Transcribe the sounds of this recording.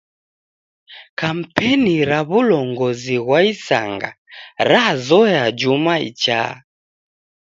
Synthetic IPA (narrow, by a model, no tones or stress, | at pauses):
kam̩pɛniɾaβulɔŋɡɔziɣwaisaŋɡa̰ | ɾazɔjad͡ʒumaḭt͡ʃa̰